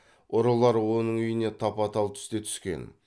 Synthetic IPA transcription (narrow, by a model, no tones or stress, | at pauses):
ʊɾəlˠɑɾwo̞nəɴʏjɪne̞t̪ʰɑpɑt̪ɑlˠt̪ʰʏ̥st̪e̞t̪ʰʏ̥skʲe̞̰n